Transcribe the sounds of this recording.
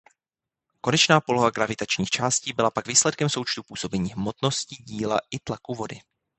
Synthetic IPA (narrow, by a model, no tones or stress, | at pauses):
ko̞nɛt͡ʃnaːpo̞lo̞ɦaɡɾavɪt̪at͡ʃɲiːxt͡ʃaːsciːbɪlapaɡviːslɛt̪kɛmso̞wt͡ʃt̪upuːso̞bɛɲiːɦmo̞t̪no̞sciːɟiːla̰ʔɪt̪lakuvo̞dɪ